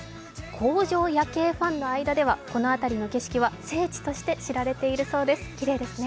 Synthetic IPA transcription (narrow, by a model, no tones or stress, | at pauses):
kʰo̞ːʑo̞ːjake̞ːɸãnːo̞aid̪ad̪e̞βako̞no̞at̪aɾʲino̞ke̞ɕi̥kʲiβ̞ase̞ːt͡ɕi̥t̪o̞ɕi̥t̪e̞ɕiɾaɾe̞t̪e̞iɾɯ̟so̞ːd̪e̞sɨ̥kʲiɾe̞ːd̪e̞sɨne